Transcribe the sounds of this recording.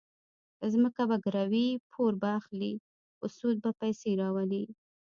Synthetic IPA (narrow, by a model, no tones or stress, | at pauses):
zməkabaɡɾawipʰoɾbaːxli | ʊsud̪̚bapajseɾɑwali